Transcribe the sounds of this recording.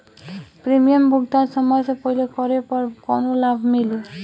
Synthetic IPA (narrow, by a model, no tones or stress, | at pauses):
pɾimijɔmbuɡt̪aɾsɔmɔjsepɔɦilekɔɾepɔɾkɔnolabʱmili